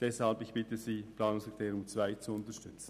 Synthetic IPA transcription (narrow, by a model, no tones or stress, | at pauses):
d̥ɛshalbɪçb̥ɪtəziːplɑːnʊŋst̪ʰeːʁjʊmt͡svaɪt͡suʊntəʃtʏt͡sn̩